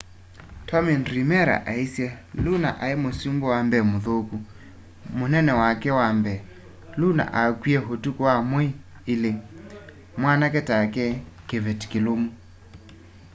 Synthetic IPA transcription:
tʰɔminɾimɛɾa̰ʔaisjɛluna̰ʔaemosumbɔwambɛmoðoku | monɛnɛwakɛwambɛ | luna̰ʔakwiɛɦotukɔwamwi | ile | mwanakɛtakɛkevɛti̥kelomu

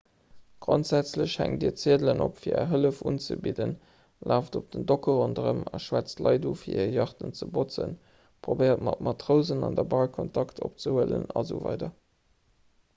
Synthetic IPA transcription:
ɡ̥ʁontz̥æt͡sləɕhæ̰ŋdḭːɐt͡siədlənopfiːɐɛɦələfuːnt͡səbidən | lʔaːfdop̚d̥əndokəʁondəʁəmɑʃwæt͡stlɑɪduːfiːiːjɑχtənt͡səbot͡sən | pʁobeɪʁətmɑtmʔɑtʁəʊzənɑndəbɑlkʰontʰɑktʰopt͡səhuələ̰nɑzuːvɑ̰ɪdɐ

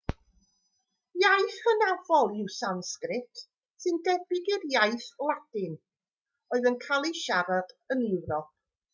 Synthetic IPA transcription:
jajθhənavɔlˠɪwsanskrɪtʰ | sɨndɛbɪɡɪrjajθwad̥ɪn | ɔɨðənkʰalˠiʃaɾad̥ənɪwɾɔp̚ʰ

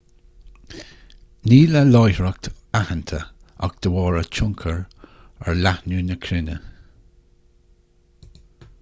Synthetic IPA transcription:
niːləlɔjhɹək̚t̪ | ahənt̪ʰə | a̰ɡ̚d̪̥əwɔːɹət͡ʃʰʊŋkʰəɹ | əɹlahnuːnəkʰɾɪnə̰

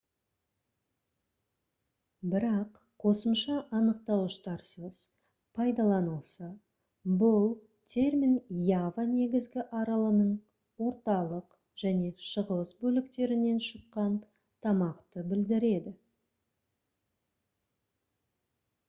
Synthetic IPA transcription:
bɪɾɑqʰo̞səmʃɑʔɑnəqt̪ɑwʃt̪ɑɾsəs | pʰɑjd̪ɑlˠɑnəlˠsɑ | bʊlˠ | t̪ʲʰe̞rmʲinjavane̞ɡʲɪzɡʲɪʔɑɾɑlˠənəɴ | wo̞ɾt̪ɑlˠəq | ʒ̥æne̞ʃəʁəsbɵlɪkt̪e̞ɾɪne̞nʃəqːɑn | t̪ʰɑmɑqt̪əbɪld̪ɪɾe̞d̪ɪ

